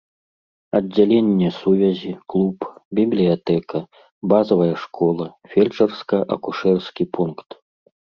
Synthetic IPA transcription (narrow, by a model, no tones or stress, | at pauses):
ɐdd͡zʲːalʲenʲːɛsuvʲɐzʲiklˠupbʲiblʲijat̪ɛkɐ | bazɐvɐjɐʂkɔlˠɐfʲelʲt͡ʂɐrskɐʔɐkuʂɛrskʲipʰunkt̪